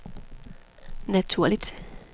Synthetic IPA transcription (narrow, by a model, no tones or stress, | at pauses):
næt͡sʰuɐ̰lid̥